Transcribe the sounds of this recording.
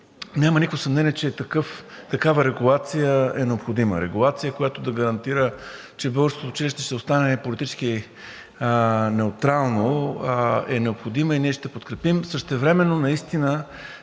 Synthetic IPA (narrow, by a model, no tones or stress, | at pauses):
nʲamənikvosɐmnɛniɛt͡ʃɛt̪ɐkɤft̪ɐkavəɾɛɡulˠat̪sijəɛnɛopxod̪imə̰ɾɛ̰ɡulˠat̪sijəkojat̪od̪ɐɡɐɾɐnt̪iɾə | t͡ʃɛbɤɡəɾsk̪ot̪oʊt͡ʃiliʃt̪ɛʃt̪ɛost̪anɛpolit̪it͡ʃsk̟i | nɛʊt̪ɾalˠno | ɛnɛopxod̪iməiniɛʃt̪ɛpot̪kɾɛpimsəʃt̪ɛvɾɛmɛnːonɐist̪inə